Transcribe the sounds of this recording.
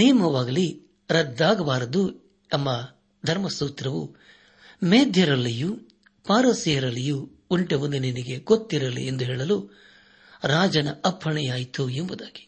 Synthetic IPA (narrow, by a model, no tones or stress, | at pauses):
nejɐmɐʋaːɡɐli | ɾɐd̪ːaːɡɐʋaːɾɐd̪u | ɐmːɐ | d̪ʱɐɾmɐsuːt̪ɾɐʋṵ | meːd̪ʱjɐɾɐlːiju | paːɾɐsijɐɾɐlːijuː | ɳʈeʋund̪ininiɡeɡot̪ːiɾɐlḭend̪uɦɛːɭɐlu | ɾaːd͡ʒɐnɐɐpʰːɐɳɛjaːjit̪uembud̪aːɡi̥